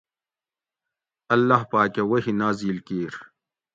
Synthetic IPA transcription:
ɐlːaɦpaːkewɐhinaːziːlkiːɾ

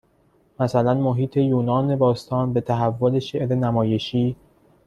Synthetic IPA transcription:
mæsælænmoɦiːt̪ʰe̞juːnɒːne̞bɒːst̪ʰɒːnbe̞t̪ʰæɦævːole̞ʃe̞ʔɾenæmɒːje̞ʃiː

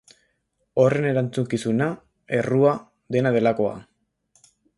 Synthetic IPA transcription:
o̞re̞ne̞ɾant͡suŋkisuna | e̞rua | d̪e̞nað̞e̞lako̞a̰

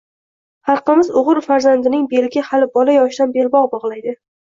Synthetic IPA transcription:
hɑlˠqɨmɪzʊʁɨɾfaɾzand̪ɪnɪŋbe̞lɡʲɪhalɪbɒlajɒʃɪd̪anbe̞lbɒʁbɒʁlˠajd̪ɪ

